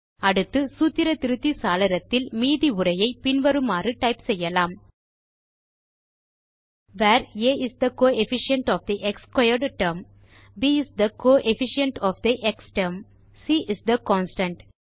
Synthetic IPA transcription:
ɐɽɯt̪ːɯsuːt̪ːɪɾɐt̪ɪɾɯt̪ːisaːlɐɾɐt̪ːɪlmiːðiʊɾɐjɐɪpɪnʋɐɾɯmaːrɯʈɐɪpsɛjːɐlaːm | ʋːɾeːʔɪsd̪ɐkoːɛfɪʂɪɐɳʈɔːfd̪iʔɛkskwɐɪɐɾɖʈɐɾm | biːɪsd̪ɐkoːʔɛfɪʂɪɐɳʈɔːfd̪iʔɛksʈɐɾm | siːʔɪsd̪ɐkɔːnsʈɐ̃ɳʈ

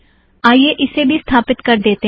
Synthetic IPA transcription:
aːjeʔɪsebʱist̪ʰaːpɪt̪kɐɾd̪eːt̪e

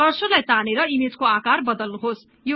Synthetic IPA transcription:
ʌrsolajt̪aneɾʌimed͡zkoakarbʌd̪ʌlnuɦos | jo

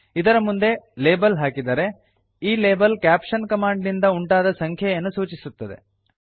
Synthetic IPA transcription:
id̪ɐɾɐmund̪e̞leːbɐlɦaːkid̪ɐɾe̞ | iːleːbɐlkaːpʂɐnkɐmaːɳɖnind̪ɐuɳʈaːd̪ɐsɐŋkʰjɐjɐnːusuːt͡ʃisut̪ːɐd̪e̞̰

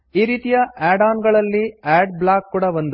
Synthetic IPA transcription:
iːɾiːt̪ijɐʔaːɖaːnɡɐɭɐlːiaːɖblaːkːuːɽɐʋond̪u

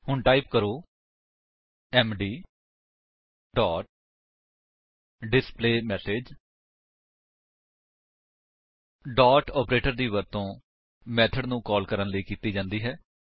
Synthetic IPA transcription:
hʊɳʈaːipkəɾoː | ɛːmɖiː | ɖɔːʈ̚ | ɖɪspleːmɛːseːd͡ʒ | ɖɔːʈɔːpɾeːʈəɾd̪iːʋəɾt̪õː | mɛːt̪ʰəɖnũːkɔːlkəɾənləiːkiːt̪iːd͡ʒãːnd̪iːɦɛː

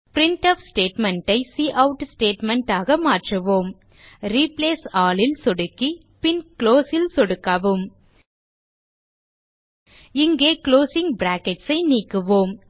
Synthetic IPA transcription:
pɪɾɪɳʈɐʋsʈeːʈmɛɳʈɐɪsiːʔɐʊʈsʈeːʈmɛɳʈaːɣɐmaːʈrɯʋoːm | ɾiːpleːsaːlɪlsɔɽɯkːi | pɪnkloːsɪlsɔɽɯkːaʋɯm | ɪŋɡeːkloːsɪŋbɾaːkɛʈsɐɪniːkːɯʋoːm

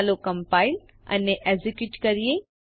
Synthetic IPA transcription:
lokɐ̃mpaːɪl | ɐ̰nːeʔezɪkjuːʈkɐɾije

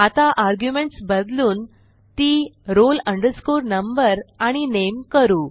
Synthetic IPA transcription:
at̪aʔaɾɡjumeɳʈsbəd̪luːn | t̪iːɾoləɳɖəɾskuːɾnəmbəɾaɽ̃inemkəɾuː

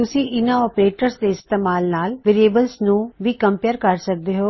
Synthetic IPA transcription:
ʊsiʔɪnãɔːpɾeːʈəɾsd̪eɪst̪eːmaːlnaːlʋɪɾieːbəlsnũʋikɐ̃mpjəɾkɐɾsɐk̚d̪eɦoː

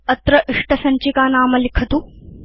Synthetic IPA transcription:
ɐt̪ɾɐʔiʂʈɐsɐɲt͡ʃikaːnaːmɐlikʰɐt̪u

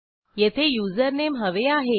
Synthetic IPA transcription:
jet̪ʰejuːzəɾnemɦəʋeaɦe

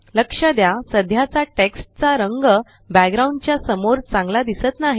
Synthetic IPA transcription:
ləkʂəd̪jasəd̪ʱjat͡saʈeksʈ̚t͡saɾəŋɡə | bæɡɾaũɳɖt͡ɕjasəmoɾt͡sãŋɡlad̪isət̪naɦi

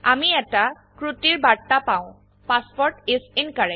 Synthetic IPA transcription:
amiɛta | kɹutiɹbatapawʊ̃ | paspɔɹʈesinkaɹɛ

